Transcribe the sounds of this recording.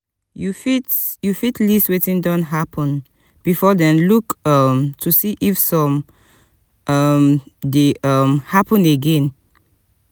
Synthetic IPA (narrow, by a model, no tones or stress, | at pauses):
jufitjufitlistwɛtĩndɔ̃nɦapʰɔ̃n | b̥ifɔdɛ̃nlukʌmtʰusiʔifsɔ̃m | ʌmdeʌmhapɔ̃neɡɛ̃n